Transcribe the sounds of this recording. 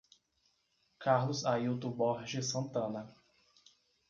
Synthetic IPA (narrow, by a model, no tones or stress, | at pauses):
kaɾlʊzaiwt̪ʊbɔɾʒɪsɐ̃nt̪ɐ̃nɐ